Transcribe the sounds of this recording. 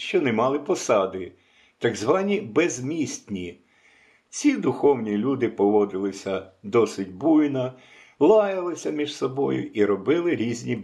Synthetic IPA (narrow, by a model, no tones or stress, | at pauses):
ʃt͡ʃɔnemɑlˠɪpɔsɑd̪ɪ | t̪ɑɡzʋɑnʲibezmʲisʲt̪ʲnʲi | t͡sʲid̪ʊxɔwnʲilʲud̪ɪpɔʋɔd̪ɪlˠɪsʲɐd̪ɔsɪtʲbujnɐ | lˠɑjɐlˠɪsʲɐmʲiʒsɔbɔjʊ̰ʔiɾɔbɪlˠɪɾʲizʲnʲi